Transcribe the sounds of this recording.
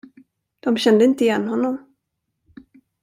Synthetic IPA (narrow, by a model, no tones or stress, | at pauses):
d̪̥ɔmɕɛnd̪əɪnt̪əɪjɛnːɦɔnːɔm